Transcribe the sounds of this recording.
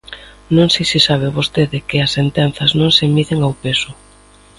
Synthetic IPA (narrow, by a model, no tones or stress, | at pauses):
nõŋsejsisaβ̞ɪβost̪eðɪkɪɐsːent̪ɛnθɐznõŋsɪmiðeŋawpesʊ